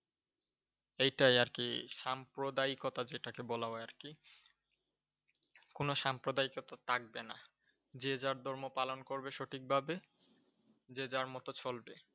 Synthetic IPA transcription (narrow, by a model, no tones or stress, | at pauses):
ejʈajaɾkiʃampɾod̪aikot̪ad͡ʑeʈakebɔlaoaɾki | konoʃampɾod̪aikot̪at̪ʰak̚bena̰ | d͡ʑed͡ʑaɾd̪ʱɔɾmopalonkoɾbeʃoʈʰik̚bʱabe | d͡ʑed͡ʑaɾmɔt̪ot͡ɕʰolbe